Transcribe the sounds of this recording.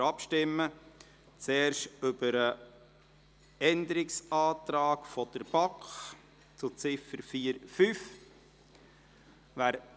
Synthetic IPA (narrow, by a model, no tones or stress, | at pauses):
ɑpʃtɪmːə | t͡sɛːɾʃtʏb̥əɾə | ɛnd̪əɾɪksɑːt̪ɾɑːkfɔd̪̥əɾb̥ɑkχ | t͡sʊt͡sɪfəɾfiːəɾfyf | ʋæːɾ